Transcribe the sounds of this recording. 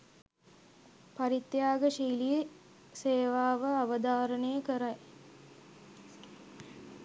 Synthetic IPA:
paɾit̪ːjaːɡəʃiːlije | seːʋaːʋəaʋəd̪aːɾənəjəkəɾaj

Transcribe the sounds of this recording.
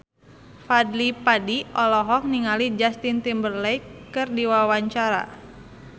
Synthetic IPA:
fadlipadiʔɔlɔɦɔk̚niŋalid͡ʒast̪int̪imbərlɛjkɨrdiwawaɲt͡ʃaɾa̰

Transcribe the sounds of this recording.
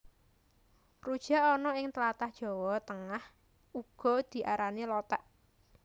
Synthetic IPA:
rud̥ʒ̥a̤ɔnɔɪŋt̪əlat̪ahd̥ʒ̥ɔ̤wɔt̪əŋah | uɡ̥ɔ̤d̪̥i̤ʔaɾanilɔt̪aʔ

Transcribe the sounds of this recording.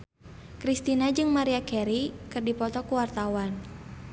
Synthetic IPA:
kɾist̪inad͡ʒɨŋmaɾiakɛɾikɨrdipɔt̪ɔkuwart̪awan

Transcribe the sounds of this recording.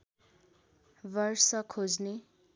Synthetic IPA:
bʌrsʌkʰod͡zne

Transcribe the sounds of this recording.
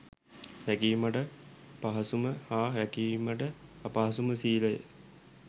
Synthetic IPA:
ɾækiːməʈə | paɦɐsuməhaːʋɛkiːməʈəɐpaɦɐsuməsiːləjə̰

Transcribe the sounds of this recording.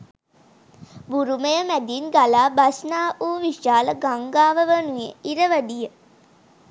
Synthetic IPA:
buɾuməjəmæd̪inɡalaːbasnaːʔuːʋiʃaːləɡaŋɡaːʋəʋənujeiɾəʋəɖijə

